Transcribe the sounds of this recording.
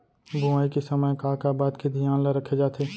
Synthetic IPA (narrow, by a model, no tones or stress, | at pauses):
bʱuaːikisɐməjkaːkabaːd̪kʰed̪ʱijaːnlaɾɐkʰed͡ʒaːt̪eː